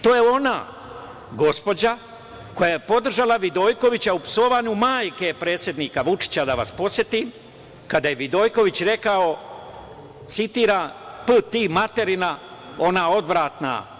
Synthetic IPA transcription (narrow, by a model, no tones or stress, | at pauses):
t̪o̞ːje̞o̞na | ɡo̞spo̞d͡ʑa | ko̞jajepo̞d̪r̩ʒalaʋid̪o̞ːjko̞ʋit͡ɕaupso̞ʋaɲumaːjke̞pɾe̞ːt̪sʲje̞d̪niːkaʋut͡ʃi̥t͡ɕad̪aʋa̰spo̞sje̞t̪im | kad̪ajeʋid̪o̞ːjko̞ʋit͡ɕɾe̞kao | t̪sit̪iːɾanpɨt̪imat̪e̞ɾinao̞nao̞d̪ʋɾaːt̪na̰